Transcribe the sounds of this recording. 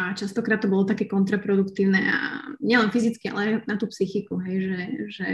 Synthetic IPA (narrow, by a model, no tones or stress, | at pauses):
at͡ʃast̪ɔkɾaːt̪ːɔbɔlɔt̪akɛːkɔnt̪ɾapɾɔd̪ukt̪iːʊnɛʔa̰ɲɛlɛnfizit͡skia̰lɛajnat̪uːpsixikuɦɛjʒɛʒɛ